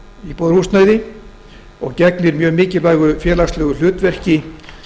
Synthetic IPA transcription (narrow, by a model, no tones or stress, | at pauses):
ipoːðɾhust̪naːjðɪ | ɔ̰ɣcɛknɪɾmjœːɣmɪːcɪlvaːjɣʏfjɛːlast̪lɛːɣʏl̥ʏːt̪vɛr̥cɪ